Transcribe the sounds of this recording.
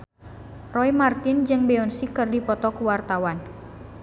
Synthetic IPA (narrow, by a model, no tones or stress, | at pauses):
rɔimart̪ind͡ʒɨŋbɛɔnsikɨrdipɔt̪ɔkuwart̪awan